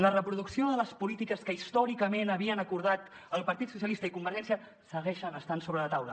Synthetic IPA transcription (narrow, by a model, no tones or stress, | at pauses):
lərəpɾuðuksioðələspulit̪ikəskəist̪ɔɾikəmenəβiənəkuɾðat̪ | əlˠpəɾt̪it̪sus̬jəlist̪əikumbəɾʒɛnsiə | səɣɛʃənəst̪ansoβɾələt̪awlə̰